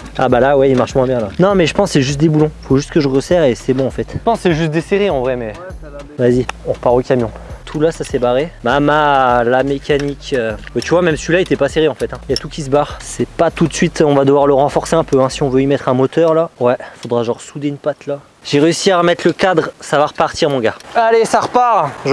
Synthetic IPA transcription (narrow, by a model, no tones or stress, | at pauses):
a̰balawɛilmaʁʃmwɛ̃bjɛ̃lanɔ̃mɛʒəpɑ̃sːɛʒyst̪̚d̪ebulɔ̃foʒyst̪kəʒəʁəsɛʁesɛbɔ̃ɑ̃fɛt̪pɑ̃sːɛʒyst̪̚d̪eseʁiɑ̃vʁɛmɛ | vaziɔ̃ʁəpaʁokʲamjɔ̃t̪ʰulasasɛbaʁemamalamekʲanikøbat̪yvwamɛmsilaet̪ɛpaseʁiɑ̃fɛt̪ɛ̃iljat̪ukʲis̬əbaʁsɛpat̪ut̪sɥit̪ɔ̃vad̪əvwaʁləʁɑ̃fɔʁseɛ̃pøɛ̃siɔ̃vøimɛt̪χɛ̃mɔt̪œʁlawɛfod̪ʁaʒɑ̃ʁsud̪eynpat̪la | ʒ̥eʁeysiaʁəmɛt̪ləkad̪ʁsavaʁəpaʁt̪iʁmɔ̃ɡaalesaʁpaʁʒ